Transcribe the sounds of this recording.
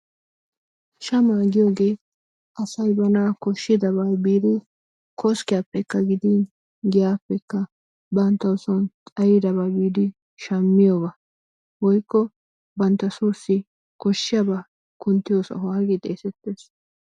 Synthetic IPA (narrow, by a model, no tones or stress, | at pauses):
ʃɐmaːɡɪjoːɡeː | ʔɐsɐjbɐnaːkɔʃːɪd̪ɐbajbiːd̪ɪ | kʰɔskɪjapːɛkːɐɡɪd̪in | ɡɪjaːpːɛkːɐ | bɐnt̪ːɐʊsɔnt̪ʼɐjɪd̪ɐbajbiːd̪ɪ | ʃɐmːɪjoːbɐ | wɔjkːɔ | bɐnt̪ːɐsuːsːɪ | kɔʃːɪjɐba | kʊnt̪ːɪjoːsɔ̰hwaːɡɪt̪ʼḛːsɛt̪ːeːs